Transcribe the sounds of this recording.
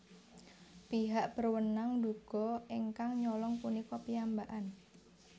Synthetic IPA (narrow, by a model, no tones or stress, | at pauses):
piɦaʔb̥ərwənaŋd̪uɡ̥ɔ̤iŋkaŋɲɔlɔŋpunikɔpijambaʔan